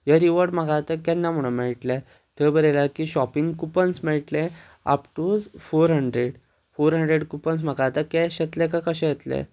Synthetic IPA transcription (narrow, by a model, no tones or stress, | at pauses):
jəɾiʋəɾɖm̤əɡat̪əkɛnːam̤uɽ̃ũmɛɭʈle | t̪ebəɾelakiɕɔpiŋɡkupənsmɛɭʈlẽ | a̰pʈud͡zfoɾɦəɳɖɾeɽ | foɾɦəɳɖɾeɽkupəns̬m̤əɡat̪akɛɕet̪lẽkãkəɕɛ̃jet̪lḛ